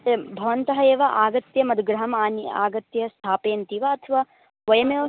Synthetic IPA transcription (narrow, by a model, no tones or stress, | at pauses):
bʱɐʋɐnt̪ɐɦɐeːʋɐʔaːɡɐt̪jɐmɐd̪ɡɾɐɦɐmaːniaːɡɐt̪jɐst̪ʰaːpeːnt̪iʋɐɐt̪ʰʋaː | ʋɐjɐmeːʋɐ